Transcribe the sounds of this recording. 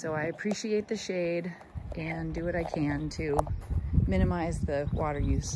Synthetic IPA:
soʊaɪɨpʰɹ̥iʃieɪt̪̚ðɨʃeɪɾ | ʔɨ̃ndɨwʌɾaɪkʰɨ̃ntʰɨ | mɪ̃ñɨmaɪzðɨwɔɾə˞jʉs

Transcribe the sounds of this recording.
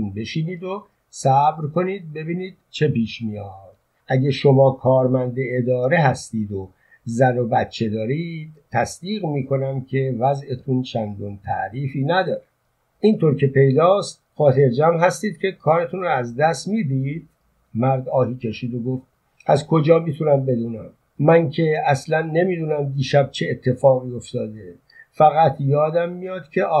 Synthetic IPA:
nbe̞ʃiːniːd̪o | sæbɾkʰo̞niːd̪̚be̞biːniːd̪̥̚t͡ʃʰe̞piːʃmijɒːd̪̥ | ʔæɟæʃo̞mɒːkʰɒːɾmænd̪eed̪ɒːɾe̞ɦæst̪iːd̪o | zæno̞bæt̪t͡ʃʰːe̞d̪ɒːɾiːd̪̥̚t̪ʰːæsd̪iːɣmiːkʰo̞næmkʰe̞væzet̪ʰunt͡ʃʰænɡ̪unt̪ʰæ̰ʔɾiːfiːnæd̪ɒːɾe | ʔint̪ʰoːɾkʰe̞pʰe̞jd̪ɒːst̪̚xɒːt̪ʰe̞ɾd͡ʒæmɦæst̪iːd̪̚cʰe̞kʰɒːɾet̪ʰunrɔæzd̪æst̪miːd̪id̪̥̚ | mæɾd̪ɒːɦiːcʰe̞ʃiːd̪oɡoft̪̚ | æzkʰo̞d͡ʒɒːmit̪ʰunæmbe̞d̪uːnæmː | æncʰe̞æslænːe̞miːd̪uːnæmd̪iːʃæb̚t͡ʃʰeːt̪ʰːe̞fɒːɣiːo̞ft̪ɒːd̪e | fæɣæt̪ʰjɒːd̪æmːijɒːd̪̥cʰe̞ʔɒː

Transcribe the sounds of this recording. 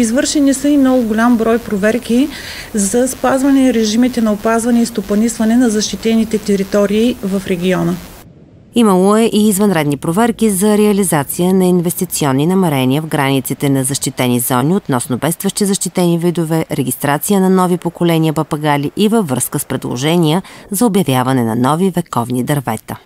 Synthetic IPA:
izvɤɾʃɛnisəimnɔɡʊɡʊlʲambɾɔjpɾovɛɾkʲi | zɐspazvɐnɛɾɛʒimit̪ɛnɐopazvɐnɛist̪opɐnisvɐnɛnɐzɐʃt̪it̪ɛnit̪ɛt̪ɛɾit̪ɔɾiːvɐfɾɛɡʲiɔnə | iməlˠoɛʔiːzvɐnɾɛd̪nipɾovɛɾkʲizɐɾɛɐlizat̪sijənɐinvɛst̪it̪siɔnːinɐmɛɾɛniəvɡɾanit̪sit̪ɛnɐzɐʃt̪it̪ɛnizɔniot̪nɔsnobɛst̪vəʃt̪izɐʃt̪it̪ɛnivid̪ovɛɾɛɡʲist̪ɾat̪sijənɐnɔvipokolɛniəpɐpɐɡaliʔivəvːəskəspɾɛd̪lˠo̰ʒɛniəzɐobjɐvjavɐnɛnɐ̰nɔvivɛkɔvnid̪ɐɾvɛt̪ə

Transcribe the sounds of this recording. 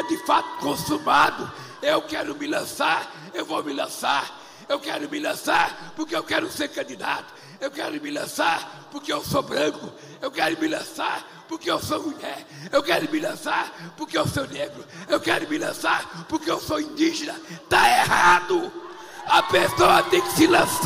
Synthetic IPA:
d̪ɪfat̪ʊ̥kõsumad̪ʊ | ewkɛɾʊmɪlɐ̃saɾ | ewvomɪlɐ̃saɾ | ewkɛɾʊmɪlɐ̃saɾpʊɾkeewkɛɾʊseɾkɐ̃nd̪id̪a̰t̪ʊ̥ | ewkɛɾʊmɪlɐ̃saɾpʊɾkeewsobɾɐ̃kʊ | ewkɛɾʊmɪlɐ̃saɾ | poɾkeewsomuʎɛɾ | ewkɛɾʊmɪlɐ̃saɾpoɾkewsowneɡɾʊewkɛɾʊmɪlɐ̃saɾpoɾkeewsoĩnd̪iʒenɐt̪aehad̪ʊ | ɐpesoɐt̪ẽj̃kɪ̥sɪlɐ̃s

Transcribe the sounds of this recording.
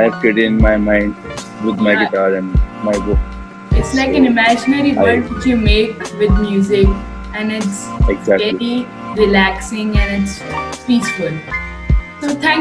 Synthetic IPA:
aɛʋkeʈɪɪ̃nmaɪmãɪ̃ɳɖ | ʋɪd̪maɪɡɪʈaːɾɛ̃nmaɪbʊk | ɪʈslaɪkæ̃nɪmæd͡ʒɪnəɾiʋʌ̃ʈʋɪt͡ʃjumeːkʋɪd̪mjuːzɪk | æ̃nɪʈsɛɡzækelii | ɾɪlæksɪ̃ŋɛ̃nɪʈspiːsfəl | soːt̪ʰæ̃ŋ

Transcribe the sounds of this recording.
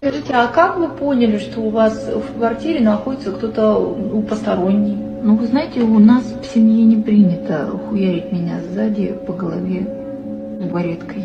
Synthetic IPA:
skɐʐɨtʲɪakakvɨpo̞nʲɪlʲɪʂt̪o̞ʊvasfkvɐrtʲiɾʲɪnɐxo̞dʲɪt̪səkt̪o̞t̪ənupəst̪ɐɾo̞nʲːɪj | nuvɨznajɪtʲɪʊnasfsʲɪmjenʲɪpɾʲinʲɪt̪əxʊjaɾʲɪtʲmʲɪnʲazːadʲɪpəɡəlˠɐvʲe | ɡɐɾʲet̪kəj

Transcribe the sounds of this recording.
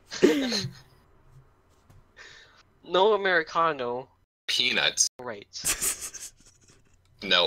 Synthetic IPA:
noʊəmɛɹɨkʰɑnoʊ | pʰinə̰tɹaɪt̚ | noʊ

